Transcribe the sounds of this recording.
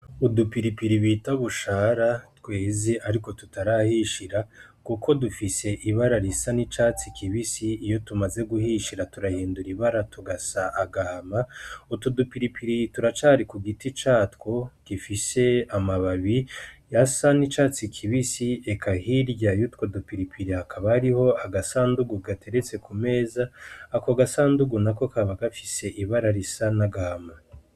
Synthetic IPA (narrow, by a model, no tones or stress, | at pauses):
udupiɾipiɾiβitaβuʃaːɾatwe̞ːziʔaɾiko̞tutaɾahiʃiɾa | kukʰo̞dufise̞ʔiβaɾaɾisanit͡ʃat͡sikʰiβisiːjo̞tumaze̞ɡuhiːʃiɾatuɾahiːnduɾiβaɾatuɡasaʔːɡahmautudupiɾipiɾituɾat͡ʃaːɾikuɡitit͡ʃatkokifise̞amaβaβijasanit͡ʃaːt͡sikʰiβisiekʰahiɾɟajutkwodupiɾipiɾihakaβahaɾiho̞aɡasaːnduɡuɡatʰe̞ɾe̞t͡se̞kume̞ːzaːkoɡasaːnduɡunako̞kaβaɡafi̥se̞ʔiβaɾaɾisanaɡama